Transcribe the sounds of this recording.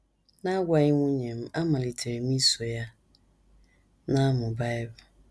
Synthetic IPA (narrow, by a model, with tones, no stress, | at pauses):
na˦ɡʷa˨˦i˦ŋʷũ˦ɲẽ˨m̩˦a˦mã˨li˨tʰe˨mĩ˦so˨ja˦ | nã˦mʊ̃˨ba˦ɛ˦ba˨